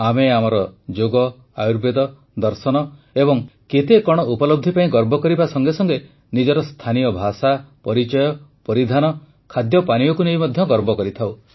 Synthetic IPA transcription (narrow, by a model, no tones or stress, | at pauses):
ameamɔɾɔd͡ʒoɡɔ | ajuɾbed̪ɔ | d̪ɔɾsɔnɔebɔŋket̪ekɔɽ̃ɔupɔlɔb̚d̪ʱipaĩɡɔɾbʱɔkɔɾibasɔŋɡesɔŋɡe | nid͡ʒɔɾɔst̪ʰanijɔbʱasapɔɾit͡ʃɔjɔpɔɾid̪ʱanɔ | kʰad̪jɔpaɽ̃ijɔkunejmɔd̪ʱjɔɡɔɾbɔkɔɾit̪ʰaw